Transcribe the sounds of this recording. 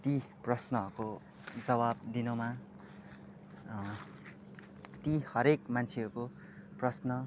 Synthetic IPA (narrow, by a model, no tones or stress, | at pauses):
t̪iprʌsnʌɦʌrko | d͡zʌbab̚d̪inoma | t̪ihʌɾekmant͡sʰeʌɾuko | prʌsnʌ